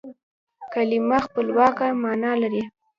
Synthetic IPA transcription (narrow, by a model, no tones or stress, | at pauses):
kalimaxpəlwɑkamɑnɑlaɾi